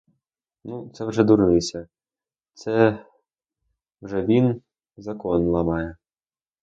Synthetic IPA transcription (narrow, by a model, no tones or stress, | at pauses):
nut̪sɛwʐɛd̪uɾnɪsʲɐ | t̪sɛ | wʐɛvʲin | zɐkɔnlˠɐmɑjɛ